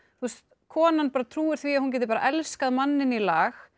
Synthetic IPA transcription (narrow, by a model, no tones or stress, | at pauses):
θust̪ | kʰɔːnanpaːɾat̪ʰɾuːɪɾ̥θviahuncɛt̪ɪpaɾa̰ʔɛlskaðmanːɪnilaːx